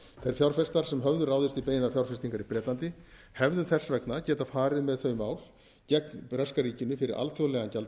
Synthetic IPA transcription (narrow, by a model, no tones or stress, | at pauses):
θajɾ̥fjawr̥fɛst̪aɾ̥sɛmɦœvðʏɾaːwðɪst̪ipejɪnafjawrfɛst̪iŋkaɾipɾɛːt̪lant̪ɪ | hɛvðʏθɛsːvɛknacɛːt̪afaːɾɪðmɛðθœɥmaːwl | cɛknrɛskaɾiːcɪnːʏfɪɾɪɾʔa̰lt̪θjowlɛɣancalt̪